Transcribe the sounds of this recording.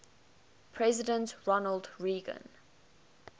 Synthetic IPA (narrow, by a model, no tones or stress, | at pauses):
pʰɹɛzɪdə̃ntɹɔnəldɹiːɡə̰̃n